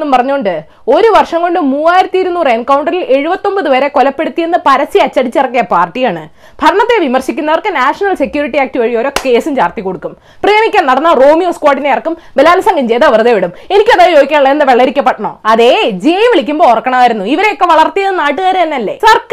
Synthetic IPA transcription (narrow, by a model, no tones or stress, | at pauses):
nːumpɐrɐɲːuoɳɖɨ | o̞ɾuʋɐrʂɐŋko̞ɳɖɨmuːaːjiɾɐt̪ːiiɾunːuːrenkɐwuɳɖɐrile̞ɻubɐt̪ːo̞mbɐðɨʋɐɾe̞kolɐpːe̞ɽut̪ːije̞nːɨpɐɾɐsːiɐt͡ɕːɐɽit͡ɕːirɐkːijɐpaːrʈːijaːɳɨ | bʱɐɾɐɳɐt̪ːe̞ʋimɐrɕikʲːunːɐʋɐrkɨnaːʂɐnɐlse̞kʲjuːɾiʈːiaːk̚ʈiʋɐɻijoɾo̞ːke̞ːsumt͡ɕaːrt̪ikːo̞ɽukːum | prijɐmikʲːaːnnɐɽɐnːɐroːmijoːskwaːʈːinːejɐrɐkːumbelaːlɐsɐŋɡɐmt͡ɕejt̪ɐʋɐrðeʋiɽume̞nikʲːɐðaːjjoːɡikʲːaːɳɭːɐenːɨʋeɭːeɾikʲːɐpːeʈːɐɳo̰ːɐðe̞d͡ʑeːjɐʋiɭikʲːumbo̞ːrɐkːɐɳɐmaːjiɾunːuiʋɐɾe̞jokːe̞ʋɐɭɐrt̪ːijɐðɨnaːʈːɨɣaːɾɨɐnːɐlːe̞̰sɐrk